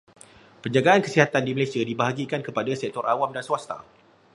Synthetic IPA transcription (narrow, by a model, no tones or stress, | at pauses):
pəɲd͡ʒaɡaankəsiɦat̪andiməlajsiadibaɦaɡikankəpadasɛk̚t̪ɔɾʔawamdanswast̪a̰